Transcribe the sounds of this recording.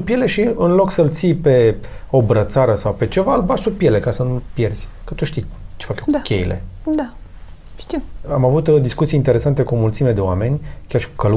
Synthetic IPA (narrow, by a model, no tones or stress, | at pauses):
upje̞le̞ʃiɨnlo̞ksəlt̪sijpe̞obɾət̪saɾəsawpe̞t͡ʃe̞valbasupjele̞kasənulpje̞rz̥ʲkət̪uʃt̪ijt͡ʃefakjokʰʲḛjilʔḛd̪a | ʃt̪iamavut̪d̪iskut̪sijint̪eɾe̞sant̪e̞kumult̪simed̪e̞owa̰me̞nʲkʲarʃi̥kukəl